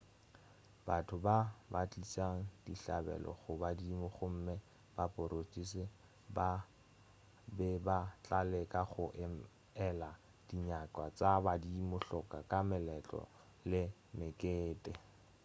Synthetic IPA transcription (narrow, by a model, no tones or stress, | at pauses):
batʰʊbabat͡ɬʼisaŋ̩diɬa̰bɛ̰lɔ̰χʊbadimʊχʊm̩mɪ | b̥apʼʊɾot͡ʃʼisɪ | ba | bɛbat͡ɬʼalɛkʼaχʊʔ | ɛla | d̥iɲakʼwat͡sabadimʊɬɔkʼakʼamɪlɛt͡ɬʼɔ̰ | lɪ | mɪkʼeːtʼɪ